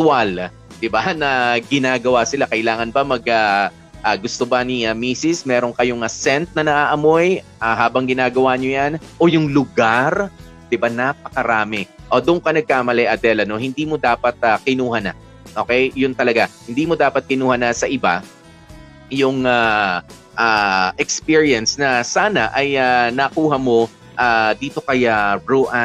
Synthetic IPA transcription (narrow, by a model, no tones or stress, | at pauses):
t̪ʊwal | d̪ɪbanɐɡɪnaːɡɐwasɪlakɐʔɪlaːŋɐnbɐmɐɡ̚a | ʔaɡʊst̪obɐniamiːsɪsmɛːɾo̞ŋkɐjoŋasɛnt̪̚nɐnɐʔaːʔɐmo̞jʔaɦaːbɐŋɡɪnaːɡɐwaɲojanʔo̞jʊŋlʊɡaɾ | d̪̥ɪbanapɐkɐɾaːmɪʔod̪ʊʔʊŋkɐnɐɡ̚kaːmɐlɛʔɐd̪ɛlɐno̞hɪnd̪iːmo̞d̪aːpɐt̪̚ɐkɪnuːhɐna | ʔo̞ːkɛjjʊnt̪ɐlɐɡahɪnd̪iːmo̞d̪aːpɐt̪̚kɪnuːhɐnasɐʔɪba̰ | jʊŋa | ʔaʔɛkspiɹiɐnsnɐsaːnɐʔɐjanɐkuːɦɐmo̞ | ʔaːd̪iːt̪o̞kɐjaɹuʔa